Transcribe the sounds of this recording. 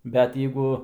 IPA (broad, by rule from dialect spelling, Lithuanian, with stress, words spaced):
bʲɛt ˈjɛɪɡʊ